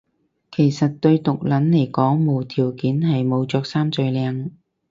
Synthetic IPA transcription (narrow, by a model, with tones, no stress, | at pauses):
kʰe˨˩jsɐ˨t̚t̪ɵ˧ɥt̪ʊ˨k̚lɐ˨˥nle˨˩jkɔː˨˥ŋmo˨wt̪ʰiː˨˩wkiː˨˥nhɐ˨jmo˨˧wt͡sɔː˧k̚saː˥mt͡sɵ˨˧jlɛː˧ŋ